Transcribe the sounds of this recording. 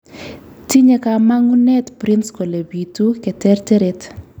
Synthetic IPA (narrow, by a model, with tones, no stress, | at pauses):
ti˦ɲe˦ka˨ma˦ŋu˦nɛ˦tpɾi˦nsko˨le˨bi˨tu˦kɛ˨tɛ˦rtɛ˦ɾɛt